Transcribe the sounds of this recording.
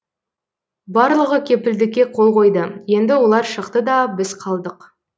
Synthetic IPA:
bɑɾlˠəʁəkʲʰe̞pɪld̪ɪkʲːe̞qʰo̞lˠqo̞jd̪əje̞nd̪ɪwo̞lˠɑɾʃəqt̪əd̪ɑbɪzqʰɑlˠd̪əq

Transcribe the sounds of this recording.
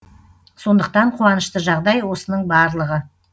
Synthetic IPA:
so̞nd̪əq̚t̪ɑɴqʰuɑnəʃt̪əʒɑʁd̪ɑjwo̞sənəɴbɑɾlˠəʁə

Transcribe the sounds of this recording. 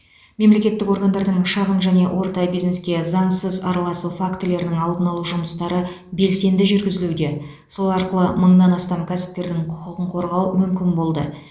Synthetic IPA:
me̞mle̞kʲe̞t̪ːɪko̞ɾɡand̪ɑɾd̪əɴʃɑʁənʒæne̞wʔo̞ɾt̪ɑjbijzne̞skʲe̞zɑɴsəzɑɾɑlˠɑsufakt̪ele̞ɾɪnɪŋɑlˠd̪ənɑlˠuʒʊməst̪ɑɾə | be̞lse̞nd̪ɪʒʏɾɡʲɪzɪlud̪e̞ | so̞lˠɑɾqəlˠəməɴnɑnɑst̪ɑmkʲʰæsɪ̥p̚t̪e̞ɾd̪ɪŋqʰʊ̥qəqəɴqʰo̞ɾʁɑwmʏmkʲɪnbo̞lˠd̪ə

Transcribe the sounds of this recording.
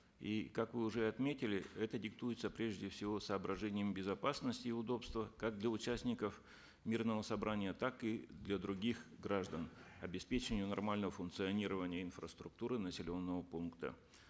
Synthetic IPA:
ikakvɨʊʐɛɐt̪mʲetʲɪlʲɪɛt̪ədʲɪkt̪ujɪt̪səpɾʲeʐdʲɪfsʲɪvo̞səːbɾɐʐɛnʲɪjəmbʲɪzɐpasnəsʲtʲɪːʊd̪o̞pst̪vəkaɡ̚d̪lʲɐʊt͡ɕæsʲnʲɪkəf | mʲirnəvəsɐbɾanʲɪjət̪akɨd̪lʲɐd̪ɾʊɡʲixɡɾaʐd̪ənɐbʲɪspʲet͡ɕɪnʲɪjʊnɐrmalʲnəvəfʊnkt̪sɨɐnʲiɾəvənʲɪjəɪnfɾəst̪ɾʊk̚t̪uɾɨnəsʲɪlʲo̞nːəvəpunkt̪ə̰

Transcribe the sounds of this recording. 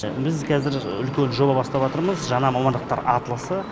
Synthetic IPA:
bɪzkʲʰɑzɪɾʏlkʲe̞nʒo̞bɑbɑst̪ɑpʒɑt̪əɾməzʒɑnɑmɑmɑnd̪əq̚t̪ɑ̰ɾɑt̪əlˠəsə

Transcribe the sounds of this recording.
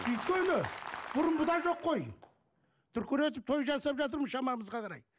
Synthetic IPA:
ʏjt̪̚kʲe̞nɪb̥ʊɾʊmbʊd̪ɑnʒo̞qʰːo̞j | t̪ʰʏɾkʲøɾe̞t̪̬ɪp̚t̪ʰo̞jʒɑsɑpʒɑt̪̬əɾmənʃɑmɑməzʁɑqʰɑɾɑj

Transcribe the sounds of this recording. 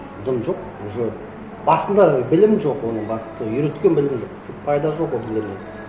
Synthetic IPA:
d̪əmʒo̞q | ʒø | bɑsənd̪ɑbɪlɪmʒo̞qwo̞nəɴbɑsə̥t̪əjʏɾet̪kʲe̞nbɪlɪmʒo̞qk̪ʲʰeppʰɑjd̪ɑʒo̞qwolbɪlɪmne

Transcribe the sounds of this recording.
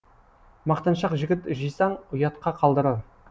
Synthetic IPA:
mɑqt̪ɑnʃɑqʒɪɡʲɪt̪ʒijsɑɴʊjɑt̪qɑqʰɑlˠd̪əɾɑɾ

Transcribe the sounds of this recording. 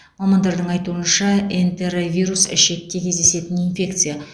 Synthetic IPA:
mɑmɑnd̪ɑɾd̪əɴɑjt̪uənʃɑent̪eɾvʲijɾusɪ̰ʃe̞k̚ʲːe̞kʲʰe̞zd̪e̞se̞t̪ɪninfʲe̞kt̪sɨja

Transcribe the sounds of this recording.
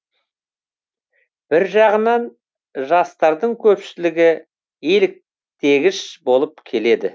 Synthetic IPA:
b̥ɪɾʒɑʁənɑn | ʒɑst̪ɑɾd̪əɴkʲʰɵpʃɪlɪɡʲɪ | elɪk̚ | t̪ʰe̞ɡʲɪʃbo̞lˠəp̚kʲʰe̞le̞d̪ɪ̰

